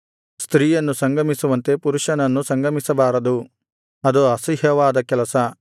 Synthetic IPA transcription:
st̪ɾiːjɐnːusɐŋɡʱɐmisuʋɐnt̪e̞puɾuʃɐnɐnːusɐŋɡʱɐmisɐbaːɾɐd̪u | ɐd̪uɐsiɦjɐʋaːd̪ɐkɛlɐsɐ

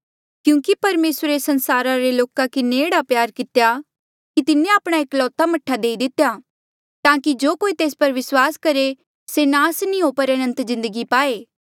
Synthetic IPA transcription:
kjũːkipɐɾmeːsɾesɐ̃nsaːɾaɾeloːkakɪneeːɽapjaːɾkɪt̪eja | kit̪ɪnːeaːpɽ̃aeːklɔːt̪amɐʈʰːad̪eːid̪ɪt̪eja | t̪ãːkid͡ʒoːkoːit̪eːspɐɾʋɪswaːskɐɾe | senaːsnĩɦoːpɐɾɐnə̃nt̪zɪ̃nd̪əɡipaːeː

